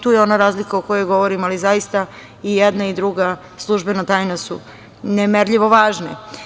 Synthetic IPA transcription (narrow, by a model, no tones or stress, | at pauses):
t̪uːjeo̞naɾaːzlikaokojoɡo̞ʋoɾimalizajist̪a | ijed̪naid̪ɾuɡa | slˠuʒbenat̪aːjnasṵ | nemeɾʎiʋo̞ʋaːʒnḛ